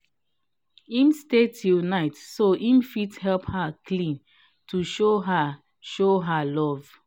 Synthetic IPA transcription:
ĩmstetʰilnaɪtsoʔĩmfithɛlphaklĩn | tʰuʃoɦa | ʃoɦalɔv

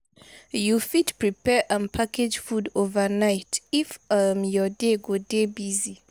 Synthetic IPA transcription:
jufitpɹipɛʔãmpʰakʰed͡ʒfudovənaɪtifamjɔdeɡodebizi

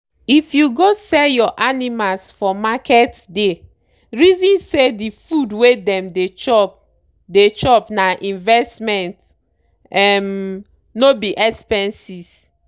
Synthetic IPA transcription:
ifjuɡosɛljɔʔanimalsfɔmakɛtde | ɹizĩnsedifudwedɛ̃mdet͡ʃɔp | det͡ʃɔpnaʔĩnvɛstmɛ̃nt | ɛm | nobiʔɛkspɛ̃nsis

